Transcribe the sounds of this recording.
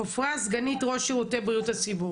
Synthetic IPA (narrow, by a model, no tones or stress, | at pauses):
ofʁazɡanitʁo̞ʃeʁutebʁijutat͡sibu